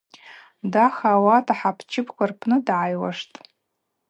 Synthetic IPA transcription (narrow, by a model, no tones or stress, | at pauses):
daχawatʰaħapʰt͡ʃʰɪpʰkʷarpʰnɨdʕajwa̰ʂtʼ